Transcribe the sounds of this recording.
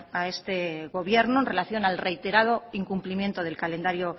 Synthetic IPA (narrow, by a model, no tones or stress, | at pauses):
ae̞st̪e̞ɣo̞β̞je̞ɾno̞enre̞laθjo̞nalre̞jt̪e̞ɾað̞o̞iŋkumplimje̞nt̪oð̞e̞lkale̞nd̪aɾjo